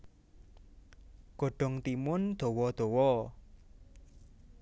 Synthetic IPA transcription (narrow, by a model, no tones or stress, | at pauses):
ɡ̥o̤ɖ̥ɔ̤ŋt̪imʊnd̪̥o̤wɔd̪̥o̤wɔ